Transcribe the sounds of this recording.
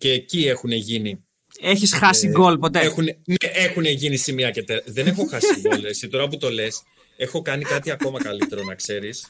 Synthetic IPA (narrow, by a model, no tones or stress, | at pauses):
ceːcie̞xune̞ʝini | e̞çisxɐsiɡo̞lpo̞t̪e̞exuneneʔe̞xune̞ʝinisimiɐce̞t̪eðe̞ne̞xo̞xɐsiɡolesit̪o̞ɾɐp̬ut̪o̞le̞s | e̞xo̞kɐnikɐt̪iɐko̞mɐkɐlit̪e̞ɾo̞nɐkse̞ɾis